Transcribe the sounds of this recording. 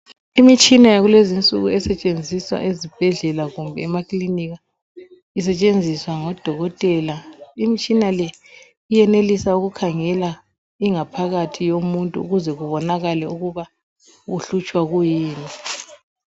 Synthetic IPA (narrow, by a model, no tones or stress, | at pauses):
imit͡ʃʼinajaɣulezint͡sʼṵɣuɛsɛt͡ʃʼend͡zʱiswa̰ʔezib̥ʱɛɮɛlaɣumbʱɛːmakʼliniɣa | isɛt͡ʃʼend͡zʱiswaŋɔd̥ʱɔɣɔtʼɛlaimit͡ʃʼinalɛ | ijɛnelisauɣukʰaŋɛla | iŋapʰaɣatʰijomuntʼuṵɣuzɛɣuβɔnaɣalɛuɣuβa | ɣuɬut͡ʃʼwaɣujiːni